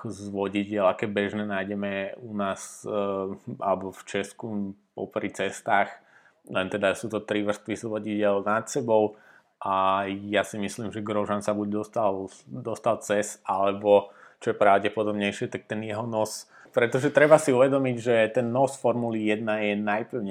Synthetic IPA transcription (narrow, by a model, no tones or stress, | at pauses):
akɔzʋɔɟiɟɪɛlakɛːbɛʒnɛːnajɟɛmɛunaːs | ʔa̰lɛbɔft͡ʃɛskupɔ̰pɾit͡sɛst̪aːx | lɛnt̪ɛd̪asuːt̪ɔt̪ɾiʋr̩st̪ʋizʋɔɟiɟɪɛlnat̪sɛbɔʊ | ʔajasimislimʒɛɡɾɔʒansabuɟd̪ɔst̪ald̪ɔst̪alt͡sɛsalɛbɔt͡ʃɔjɛpɾaʊɟɛpɔd̪ɔbɲɛjʃɪɛt̪ak̚t̪ɛnjɛɦɔnɔs | pɾɛt̪ɔʒɛt̪ɾɛbasiuʋɛd̪ɔmiɟʒɛt̪ɛnːɔsfɔɾmulijɛd̪najɛnajpl̩ʊɲɛ